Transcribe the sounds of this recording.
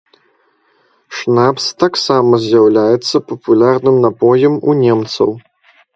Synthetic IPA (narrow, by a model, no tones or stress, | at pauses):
ʂnapst̪aksamɐzʲjawlʲajɛt̪sːɐpɐpulʲarnɨmnapɔjɛmṵnʲɛmt̪sɐ̰w